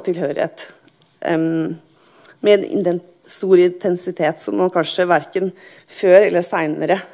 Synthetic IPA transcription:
t̪ʰɪlhøːɾɪ̰hḛːt̪ | mɛɛnɪ̰nɛ | st̪uːɾɪnt̪ʰɛnsɪt̪ʰeːt̪sɔmːɑnkʰɑnʂəʋæɾkən | føːɾɛlːəsæɪnəɾə

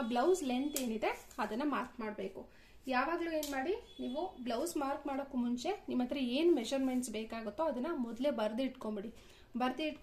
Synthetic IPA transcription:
blɐwslent̪e̞ːnid̪e̞ɐd̪ɐnːɐmaːɾkmaːɽbe̞ːku | jaːʋaːɡlue̞ːnmaːɽiniːʋublɐwsmaːɾkmaːɽokːumuɲt͡ʃe̞nimɐnd̪ɾɐeːnumed͡ʒɐɾmeɳʈsbeːkaːɡut̪ːoɐd̪ɐnːɐmɔd̪lebɐɾd̪iʈkombiɽi | bɐɾd̪iʈk

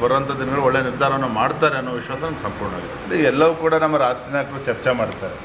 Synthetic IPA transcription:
bɐɾɐnt̪ʰad̪inɐɡɐɭuɔɭːeːniɾd̪ʱaːɾɐʋɐnːumaːɽt̪aːɾeɐnːoːʋiʃʋaːsɐnɐnd̪usɐmpuɽɐɳa̰ːɡid̪eɐlːiɛlːɐʋuːkuːɽɐnɐmːɐɾaːsʈinaːkɾut͡ʃɐɾt͡ʃemaːɽt̪ːaːɾe

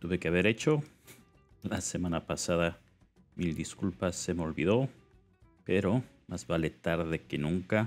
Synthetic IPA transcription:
t̪uβe̞keaβe̞ɾe̞t͡ʃo | lase̞mãnapasaða | mild̪iskulpase̞meo̞lβiðo̞ | pe̞ɾo̞ | mazβale̞t̪aɾðe̞ke̞nũŋka

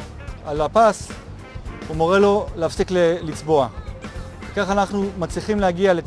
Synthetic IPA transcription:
alapas | umo̞ʁe̞lo̞leafsiklelit͡sbo̞a | vekaχanaχnumat͡sliχimleaɡiale

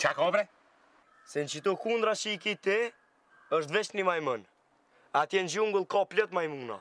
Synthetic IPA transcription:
t͡ʃakɔbɾɛ | sɛnt͡ʃit̪ukund̪ɾaʃikit̪ɛ | əʃt̪vɛʃt̪nimajmən | at̪jɛnd͡ʒuŋɡulˠkɔplət̪majmuŋnɔ̰

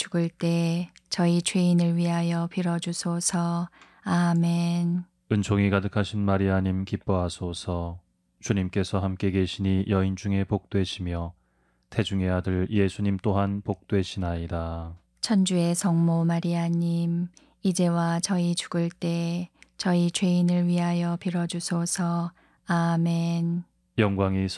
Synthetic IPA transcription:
t͡ɕuɡɯɭt͈e̞ | t͡ɕʌit͡ɕʰweinɯɭɥiɦajʌpiɾʌd͡ʑusʰosʰʌ | ame̞n | ɯnt͡ɕʰoŋikadɯkʰaɕʰinmaɾiaɲimkip͈ʌɦasʰosʰʌ | t͡ɕuɲimk͈e̞sʰʌɦamk͈e̞ɡe̞ɕʰiɲijʌind͡ʑuŋe̞pok̚t͈we̞ɕʰimjʌ | tʰe̞d͡ʑuŋe̞ɦadɯɭje̞sʰuɲimt͈oɦanpok̚t͈we̞ɕʰinaida | t͡ɕʰʌnd͡ʑue̞sʌŋmomaɾiaɲim | id͡ʑe̞wat͡ɕʌit͡ɕuɡɯɭt͈e̞t͡ɕʌit͡ɕwe̞inɯɭɥiɦajʌpiɾʌd͡ʑusʰosʰʌ | ame̞n | jʌŋɡwaŋi

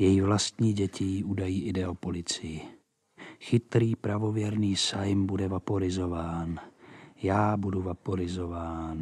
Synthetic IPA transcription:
jɛjivlast̪ɲiːɟɛciuːdajiːʔɪdɛopolɪt͡sɪjɪ | xɪt̪ɾiːpɾavovjɛɾniːsajmbudɛvapoɾɪzovaːnjaːbuduvapoɾɪzovaːn

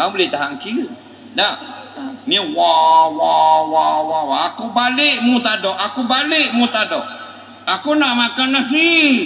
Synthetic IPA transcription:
abəlɪt̪aɦaŋki | da | miəwawawawawaakubalɪʔmut̪adɔʔakubalɪʔ̚mut̪adɔʔ | akunaʔmakanasi

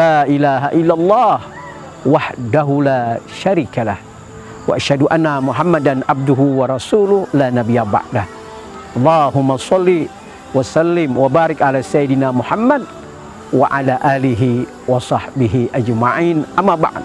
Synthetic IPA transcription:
laːʔɪlaːɦaʔɪlːalˤːɑːh | waħd̪aɦʊlaːʃaɾiːkalah | waʔaʃhad̪ʊʔanːamʊħamːad̪anʕab̚d̪ʊɦʊwɑɾˤɑsuːlʊhlaːnabɪjaba̰ʕd̪a | ʔɑlˤːɑːɦʊmːasˤɑlːi | wasalːɪmwabaːɾɪkʕalaːsajːɪd̪ɪnaːmʊħamːad̪ | waʕalaːʔaːlɪɦɪ | wɑsˤɑħbɪɦɪʔad͡ʒmaʕiːnʔamːaːba̰ʕd̪

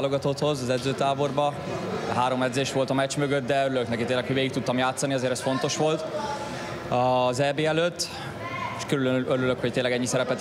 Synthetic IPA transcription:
lo̞ɡɒt̪ot̪ho̞zɒzɛd̪zøːt̪aːbo̞rbɒ | ɦaːɾo̞mɛd̪zeːʃʋo̞lt̪ɒmɛt͡ʃmøɡøt̪̚d̪ɛøɾyløknɛkit̪eːnlɛkhoɟveːɡik̚t̪ut̪ːɒmjaːt̪sɒniɒzeːɾɛsfo̞nt̪o̞ʃʋo̞lt̪ | ɒzɛːbeːɛløt̪ː | eʃkøɾyløøɾyløkhoct̪eːlːɛɡɛɲːisɛɾɛpɛt̪

